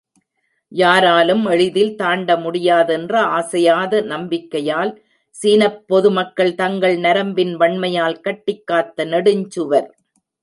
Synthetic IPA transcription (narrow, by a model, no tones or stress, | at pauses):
jaːɾaːlɯmɛɻɪðɪlt̪aːɳɖɐmʊɽɪjaːðɛndrɐaːsɐjaːðɐnɐmbɪkːɐjaːl | siːnɐpːɔðɯmɐkːɐɭt̪ɐŋɡɐɭnɐɾɐmbɪnʋɐɳmɐjaːlkɐʈːɪkːaːt̪ːɐnɐɽɯɲd͡ʒɯʋɐɾ